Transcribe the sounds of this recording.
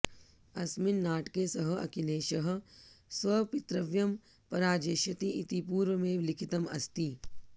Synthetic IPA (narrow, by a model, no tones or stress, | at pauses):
ɐsmɪnːaːʈkesɐɦɐ̆ɐ̰kileːʃɐɦ̆sʋɐpɪt̪ɾɐʋjɐm | pɐɾaːd͡ʒeːʃɐt̪iit̪ipuːɾʋəmẽʋlɪkʰɪt̪ɐmɐ̰st̪i